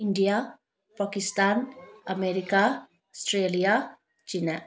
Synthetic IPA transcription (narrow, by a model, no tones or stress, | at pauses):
iɳɖija | pakist̪anameɾika | ɔsʈɾelija | t͡ʃina